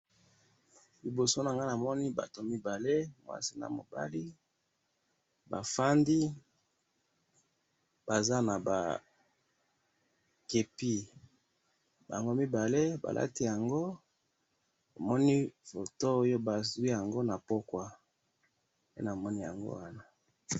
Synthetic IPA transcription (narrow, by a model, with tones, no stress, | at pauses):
li˨bo˨so˦na˨ŋɡa˦na˨mɔ˦ni˦ba̰˨to˨mi˦ba˨le˦mwa̰˦si˦na̰˨mo̰˨ba̰˦li˦ | ba˨fa˦ndi˦ | b̥a˨za˦na˨ba̰˨ | ke˨pi˦ | ba˨ŋɡo˦mi˦ba˨le˦ba̰˨lʔa̰˦ti˦ja˨ŋɡo˦ | bo˨mɔ˦ni˦fo˨to˦jo˦ba˨zu˨i˦ja˨ŋɡo˦na˨po˦kwa˦ | pḛ˦na˨mɔ˦ni˦ja̰˨ŋɡo̰˦wa˦na˨